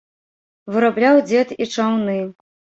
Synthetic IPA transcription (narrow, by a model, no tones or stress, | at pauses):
vɨɾablʲawd͡zʲɛt̪it͡ʂawnɨ